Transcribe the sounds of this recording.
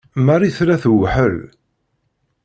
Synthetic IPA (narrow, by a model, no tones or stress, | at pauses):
mæriθɾæθwħəl